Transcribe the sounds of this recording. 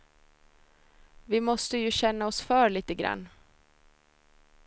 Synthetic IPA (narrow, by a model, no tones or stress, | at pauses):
vɪmɔst̪əjɵɕɛnːaɔsfœːɾɭiːt̪əɡɾa̰nː